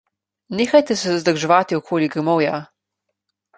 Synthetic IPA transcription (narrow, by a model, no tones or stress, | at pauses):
neːxajt̪ɛsɛzd̪əɾʒɛʋaːt̪iɔkʰoːliɡɾɛmɔwja